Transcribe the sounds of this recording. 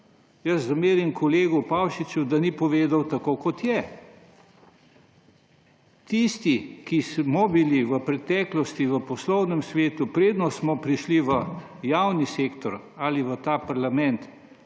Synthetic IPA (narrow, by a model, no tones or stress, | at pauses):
jɐszameːɾimkʰɔleːɡupawʃit͡ʃud̪anipɔʋeːd̪awt̪akoːkɔt̪jɛ | t̪ist̪ikismɔbiliʋəpɾɛt̪ɛːklɔst̪iʋəpɔslɔwnɛmsʋeːt̪upɾeːd̪nɔsmɔpɾiʃliʋə | jawniseːkt̪ɔɾ | aliʋət̪aːpaɾlamɛnt̪